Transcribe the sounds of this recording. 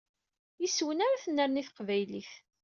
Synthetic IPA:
jiswənaɾaθənːəɾniθqvæjliθ

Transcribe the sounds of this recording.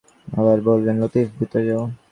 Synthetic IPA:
aβaɾbolbenlot̪ifbʱit̪ːod͡ʑeo

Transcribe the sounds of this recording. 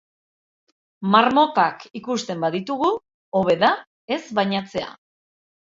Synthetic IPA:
maɾmo̞kakikust̪e̞mbaðit̪uɣ̞u | o̞βe̞ða | e̞zβajɲat͡se̞a̰

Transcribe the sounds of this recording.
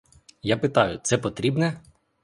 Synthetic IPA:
japɪt̪ɑjʊt̪sɛpɔt̪ɾʲibnɛ

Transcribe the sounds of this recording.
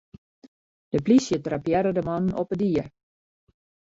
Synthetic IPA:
d̥əplisjətrapjɛɾədəmɔnnɔpədiər

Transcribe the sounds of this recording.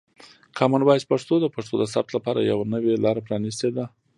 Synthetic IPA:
kʰɑmanbɑjspaʂt̪od̪əpaʂt̪od̪əsap̚t̪lapɑɾa̰jawnəwelɑɾapɾɑnist̪ed̪a

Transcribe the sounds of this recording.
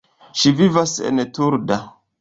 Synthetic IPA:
ʃivivasḛntuɾda

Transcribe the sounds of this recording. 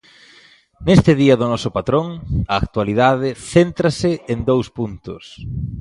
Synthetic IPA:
nest̪ɪðiɐðʊnɔsʊpat̪ɾoŋɐːk̚t̪waliðaðɪθent̪ɾɐsɪend̪owspunt̪ʊ̰s

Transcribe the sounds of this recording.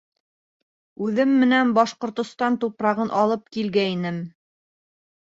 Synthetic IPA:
ʉðɘmːɘ̆nænbɑʃqŏɾt̪ŏst̪ɑnt̪upɾɑʁɤnʔɑlˠɤp̚kilɡæinɘm

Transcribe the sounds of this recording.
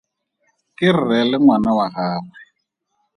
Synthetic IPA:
kʼɪr̩rɛlɪŋwanawahaːrɛ

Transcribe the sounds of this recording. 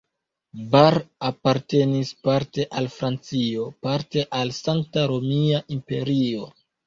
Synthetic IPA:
baɾapaɾte̞nispaɾte̞ʔalfɾant͡sio̞paɾte̞ʔalsaŋk̚taɾo̞miaʔimpe̞̰ɾio̞

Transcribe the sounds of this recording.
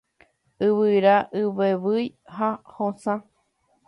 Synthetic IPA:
ɨβɨɾaʔɨβeβɨjhahõsã

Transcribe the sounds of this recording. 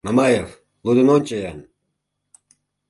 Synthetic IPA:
namɑjev | lud̪ə̆nonʲt͡ɕəjɑn

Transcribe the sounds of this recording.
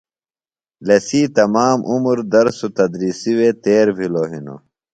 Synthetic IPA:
lɐsiːt̪ɐmaːmʔumɾd̪ɐɾsut̪ɐd̪ɾiːsiweːt̪eːɾbʱiloːɦino̰

